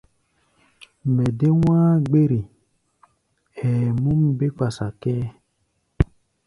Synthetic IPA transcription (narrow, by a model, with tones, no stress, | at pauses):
mɛ˨de˦wʷaː˦ɡ͡be˦ɾi˨ | ɛː˨mu˦m˦be˦k͡pa˨sa˨kɛː˦